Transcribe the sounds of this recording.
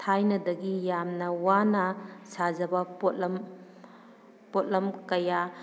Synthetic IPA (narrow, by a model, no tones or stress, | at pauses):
tʰajnɐdɐɡijamnɐwanɐsazɐbɐpotlɐm | pot̚lɐmkɐja